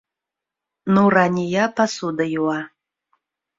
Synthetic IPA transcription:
nuranʲijapʰasud̪ajuwa

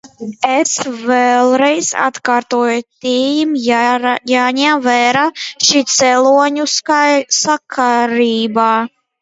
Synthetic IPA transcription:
ɛsvɛlˠɾɛjza̰t̪kaːɾt̪uɔjt̪iːjm | jaːɲɛmvæːɾaːʃiːt̪sɛlˠuɔɲuskajsakʰaɾiːbaː

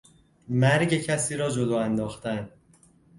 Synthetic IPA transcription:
mæɾɟe̞cʰæsiːɾɒːd͡ʒod̪ɒːænd̪ɒːxt̪æn

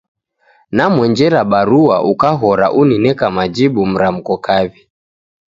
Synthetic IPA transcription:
namwɛɲd͡ʒɛɾaɓaɾuaʔukaɦɔɾa̰ʔuninɛkamad͡ʒiɓum̩ɾam̩kɔkavi

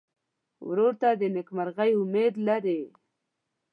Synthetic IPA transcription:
wɾoɾt̪ad̪ənɪkmaɾɣajʊmed̪laɾe

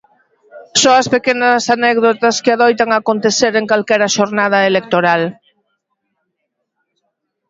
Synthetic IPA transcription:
soŋɐspekenɐsanɛɣðot̪ɐskɪaðojt̪aŋakont̪eθeɾeŋkalkɛɾɐʃoɾnað̞ɐelek̚t̪oɾal

